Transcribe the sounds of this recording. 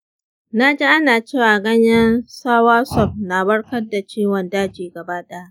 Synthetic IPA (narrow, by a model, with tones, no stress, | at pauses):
naː˦d͡ʒe˦ʔa˦naː˨t͡ʃeː˦˨waː˨ɡɐ˦ɲjɐ˦nsaː˦waː˦sɔ˦˨p̚na˨bɐ˦ɽkɐ˦rda˨t͡ʃiː˦wɔ˨ndaː˦d͡ʒiː˨ɡɐ˨baː˦ɗa˦a˦ʔ